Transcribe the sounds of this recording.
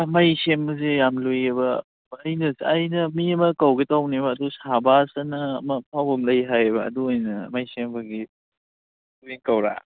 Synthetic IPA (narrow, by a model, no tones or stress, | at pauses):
ɐmajsembɐzejamlujebɐː | jnɐsɐjnɐmiɐmɐkɐwɡetawnebɐːdusabasɐnɐːmɐp̚ʰawbɐmlɐjɦajbɐ̰ːduojnɐ̰ːmajsembɐɡi | biŋkɐwɾa̰